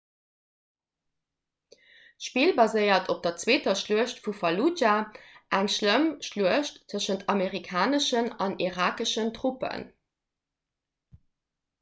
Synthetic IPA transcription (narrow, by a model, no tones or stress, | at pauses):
ʃpiːlbɑzəɪɐtʰop̚d̥ɐt͡sweːtɐʃluəʃtfufɑlud͡ʒaʔæŋʃləmʃluəʃtːʰəʃəntʰɑmeʁikʰaːnəʃənɑniʁaːkəʃəntʁupə̰n